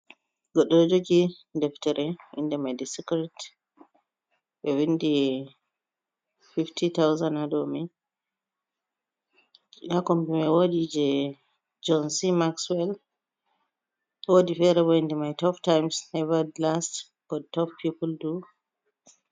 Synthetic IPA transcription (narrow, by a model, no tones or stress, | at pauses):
ɡɔɗːɔd͡ʒoɡidɛftɛɾʔɛʔḭndɛmajdɛsikɾit | bɛwindi | fiftʰitawzanadɔmi | jakɔmbɛmɛwodid͡ʒɛ | d͡ʒɔnsimakswɛl | woːdifɛɾɛbɔindɛmajtɔptajmsnɛvadlast | kɔdtɔppipuldu